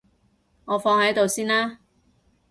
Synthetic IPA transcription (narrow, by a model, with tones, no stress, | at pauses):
ŋɔː˨˧fɔː˧ŋhɐ˨˥jt̪o˨wsiː˥nlaː˥